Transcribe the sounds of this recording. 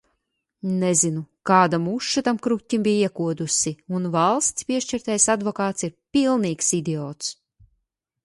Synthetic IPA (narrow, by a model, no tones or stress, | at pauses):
nɛzinukaːd̪amuʃːat̪amkɾut̪ʲːimbijiɛkuɔd̪usiunvalˠst̪spiɛʃt͡ʃiɾt̪ajsad̪vɔkaːt̪siɾpilˠniːksid̪ʲɛɔːt̪s